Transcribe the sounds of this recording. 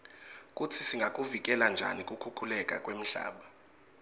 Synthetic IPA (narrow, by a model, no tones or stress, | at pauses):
k̬ʼutʰisiŋɡʱak̬ʼuvik̬ʼɛland͡ʒʱa̰nikʼukʰukʰulɛkʼa̰kʼwem̩ɬa̰ːɓa